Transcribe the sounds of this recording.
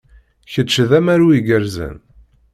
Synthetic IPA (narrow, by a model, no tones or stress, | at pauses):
çət͡ʃːðæmæɾuiɡəɾzə̰n